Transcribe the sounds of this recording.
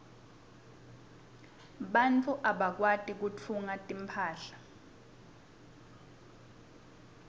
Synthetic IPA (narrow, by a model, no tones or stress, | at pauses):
ɓant͡fʰʼuʔaɓak̬watʼik̬ut͡fʰuŋatʼimpʰaːɬḁ